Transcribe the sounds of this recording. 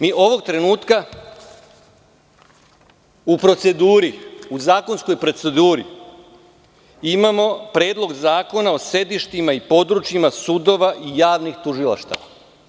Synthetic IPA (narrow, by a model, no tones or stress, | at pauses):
miːʔo̞ʋo̞ɡ̚t̪ɾe̞nuːt̪ka | upɾo̞t̪se̞d̪uːɾiuzaːko̞nsko̞jpɾo̞t̪se̞d̪uːɾḭ | imamo̞pɾeːd̪lˠo̞ɡzaːko̞nao̞se̞d̪iʃt̪imaipo̞d̪ɾut͡ʃjimasud̪o̞ʋaʔijaːʋnixt̪uʒila̰ʃt̪a̰ʋa